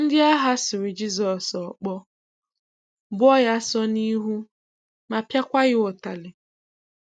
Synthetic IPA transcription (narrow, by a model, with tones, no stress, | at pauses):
n̩˦dɪ˦a˦ɦa˦sɪ˨ɾɪ˨d͡ʒi˦zɔ˨sɔ˨k͡pɔ˦ | bʊ˦ɔ˦ja˦sɔ˦ni˦ɦu˦ | ma˨pja˦kʷa˦ɣɪ˦ʊ˨ta˨lɪ˨